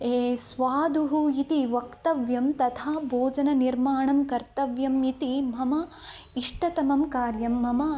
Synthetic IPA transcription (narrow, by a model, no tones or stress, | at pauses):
eːsʋaːd̪uɦuit̪iʋɐkt̪ɐʋjɐmt̪ɐt̪ʰaːbʱoːd͡ʒɐnɐniɾmaːɳɐmkɐɾt̪ɐʋjɐmit̪imɐmɐ | iʂʈɐt̪ɐmɐmkaːɾjɐmːɐmɐ